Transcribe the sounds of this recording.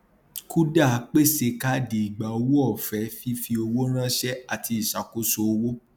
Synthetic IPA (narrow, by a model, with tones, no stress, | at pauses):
ku˦da˦˨˦k͡pe˦˨se˧ka˦di˨i˨ɡ͡ba˨o˧wo˦ɔ˦˨fɛ˨˦fi˦fi˧o˧wo˦ɾ̃ã˦ʃɛ˦a˨tʰi˧i˨ʃa˨ko˦so˧o˧wo˦